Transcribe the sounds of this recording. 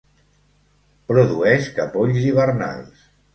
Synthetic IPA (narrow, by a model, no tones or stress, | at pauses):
pɾuðuɛʃkəpoʎziβərna̰lˠs